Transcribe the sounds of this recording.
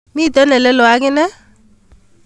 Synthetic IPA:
mi˦˨t̪ɛ˦nɛ˨lɛ˦lɔ˨a˦ɡɪ˦nɛ˦

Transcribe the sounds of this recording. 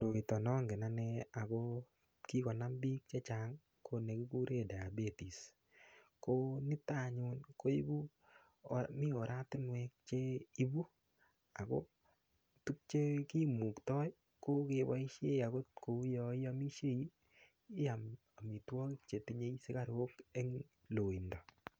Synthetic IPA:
do˨ki˨tɔ˨nɔ˦ŋɡe˨na˦nɛ˧a˨ko˦ | ki˦kɔ˨na˦mbi˦k̚t͡ʃe˦t͡ʃa˨ŋ | kʰo˦ne˨ki˦ku˦ɾe˦˨da˨a˨be˨ti˨s | ko˦nɪ˦ta˦˨ɲu˧nko˦i˦bu˦ | mɪ˦o˨ɾʔa˦tɪ˦nwɛ˧k̚t͡ʃe˦i˦bu˦ | a˨ko˦ | tu˦k̚t͡ʃe˦ki˦mu˨ktɔ˦j | ko˦ke˨wa˦i˦ʃe˦a˨ko˦tko˨˦jɔ˧ɪ˦a˦mi˦ʃe˦i˦ | a˨m | a˨mi˨twɔ˦kɪ˦k̚t͡ʃe˨ti˦ɲe˦i˦sɪ˦ka˦ɾo˦ke˦ŋ | lo˨i˨ndɔ˨

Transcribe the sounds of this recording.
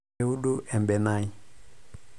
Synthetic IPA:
ɛu˦ɗu˦ʔɛ˨mbɛ˨na˦i˦

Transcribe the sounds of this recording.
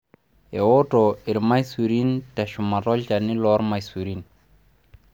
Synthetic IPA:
e˨wo˦to˨i˨ɾma˦jsu˨ɾi˦nta˨ʃu˨ma˨tɔ˦lt͡ʃa˨ni˦lɔ˦ɾma˨jsu˨ɾi˦n

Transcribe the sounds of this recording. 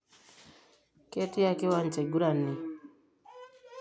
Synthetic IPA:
ke˦ti˦a˦ki˦wa˦nt͡ʃɛ˨ɡu˦ɾa˨nːi˨

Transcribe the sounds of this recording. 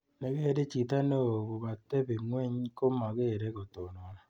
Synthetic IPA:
ne˨ɣe˦˨ɾe˦t͡ʃi˨ta˦no˦˨ɣo˨βa˨tːe˦βe˨ŋwe˦ɲko˦ma˨ɣeː˦˨ɾe˦ɣo˨to˨no˨˦na˦

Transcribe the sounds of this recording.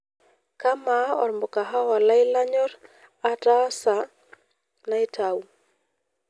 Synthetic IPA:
ka˦ma˨˦ɔ̰˨ɾmbo˨ka˨ɦa˦wa˨la˦ɪ˦la˦ɲɔ˦ɾ | a˨ta˦ɔ˦sa˨ | na˦ɪ˦ta˨u˦˨

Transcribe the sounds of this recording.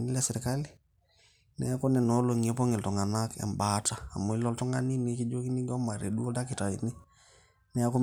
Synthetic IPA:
ni˦lɛsiɾikali | nɛ˦a˦ko˦nɛ˨no˦loŋepo˦ŋi˨ltɔ˨ŋa˨nakɛ̰˨mbataː˨mo˨i˦lɔ˦ltɔ˦ŋɡa˦ni˦ni˦ki˦d͡ʒo˦ki˦ni˦ɡɔ˦ma˨ɾḛ˨du˦o˦da˦ki˨ta˨ḭni˦ | nɛ˦a˦ku˦

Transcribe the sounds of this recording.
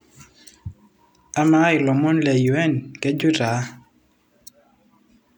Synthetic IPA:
a˦ma˦ɪ˨lɔ˨mɔ˦nlɛ˨ju˨ɛ˦˨nkɛ˦d͡ʒu˦ɾa˨˦

